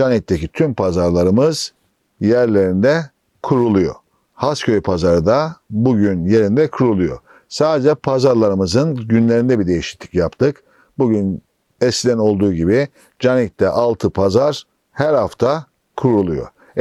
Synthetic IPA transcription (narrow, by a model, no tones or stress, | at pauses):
d͡ʒanit̪ːecit̪ʰympʰazaɾlˠaɾɯmɯz̥ | jæɾlʲe̞ɾind̪ɛ | kʰuɾulˠujo̰ | hascʰø̞jpʰazaɾɯd̪abuɟynje̞ɾind̪ɛkʰuɾulˠujo̰ | saːd̪ed͡ʒɛpʰazaɾlˠaɾɯmɯzɯnɟynlʲeɾind̪ɛbid̪e̞jiʃi̥t̪lʲi̥cjapt̪ʰɯk | buɟyn | ɛscʲid̪ɛno̞lˠd̪uːɟibi | d͡ʒanit̪ːɛʔalˠt̪ʰɯpʰazaɾ | hæɾhaft̪ʰa | kʰuɾulˠujo̰